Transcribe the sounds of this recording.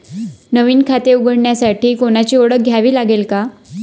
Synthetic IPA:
nəʋiːnkʰat̪euɡəɽɳjasaʈʰiːkoɽ̃at͡ɕiːoɽək̚ɡʱjaʋiːlaɡelka

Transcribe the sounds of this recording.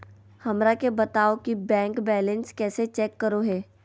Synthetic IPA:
hɐmɾakebɐt̪aːokibɛ̃ːŋkbɛːlə̃nskɛːset͡ʃɛːkːəɾoɦɛː

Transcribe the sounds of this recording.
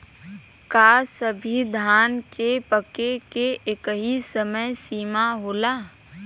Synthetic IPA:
kaːsəbʱid̪ʱaːnkepəkekeʔekəɦisəməjsiːmaɦoːlaː

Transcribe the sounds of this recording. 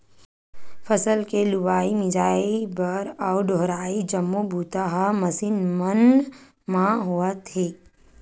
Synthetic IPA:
fəsəlkelubaːimɪd͡ʒaːibəɾɔːʊɖoɦɾaːid͡ʒɐmːobʱuːt̪aɦamɐsinmən | mãɦuət̪ɦeː

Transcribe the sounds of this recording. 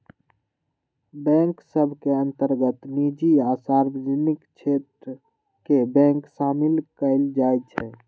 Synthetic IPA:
bɛ̃ːŋksəbʱkeə̃nt̪əɾɡət̪nid͡ʒiasaːɾbəd͡ʒənɪkt͡ʃʰet̪ɾə | kebɛ̃ːŋksaːmɪlkəɪld͡ʒaːjt͡ʃʰɛ

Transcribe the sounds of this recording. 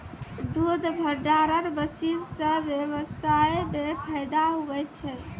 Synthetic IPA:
d̪ud̪ʱbʱəɖaɾəɾbəsilsə̃bjeβəsajmjepʰəjd̪aɦubɛt͡ʃʰɛ

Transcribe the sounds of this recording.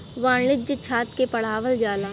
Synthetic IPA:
ʋaːɳlɪd͡ʒət͡ʃʰaːt̪kepɐɽ̤aːʋəld͡ʒaːlaː

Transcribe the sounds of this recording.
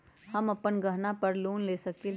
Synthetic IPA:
hɐmɐpənɡɐɦnapɐɾloːnleːsɐki

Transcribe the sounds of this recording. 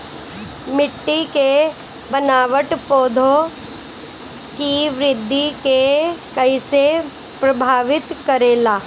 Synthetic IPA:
mɪʈːike | bɐnaːʋəʈpoːd̪ʱo | kiʋɾɪd̪ʱːikekɐise | pɾɐbʱaːʋɪt̪kɐɾeːlaː

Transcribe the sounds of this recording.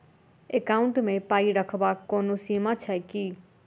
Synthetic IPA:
ekaːʊ̃ɳʈmẽpaːiɾəkʰbaoːnosiːmat͡ʃʰɛki

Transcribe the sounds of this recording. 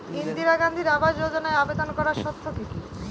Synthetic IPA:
ind̪iɾaɡand̪ʱiɾabaʃd͡ʑod͡ʑonaeabed̪onkɔɾaɾʃɔt̪ʰːokiki

